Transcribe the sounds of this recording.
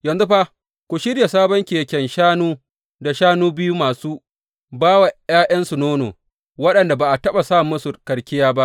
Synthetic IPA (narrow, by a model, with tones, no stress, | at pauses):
jɐ˨nzu˦ɸa˦ | kʷu˨ʃɪ˦ɽja˨saː˦bɔ˦ŋkʲeː˨kʲɛ˨nʃaː˦nuː˦ | da˨ʃaː˦nuː˦bɪ˦ju˦maː˨suː˦ | baː˦wa˨jaː˦jɐ˦nsu˨noː˦no̰ː˨ | wɐ˦ɗɐ˨nda˨baː˨ʔa˨tɐ˦ɓa˨saː˦˨mʊ˦su˨kɐ˨ɽkʲɪ˦jaː˦ba˦ʔ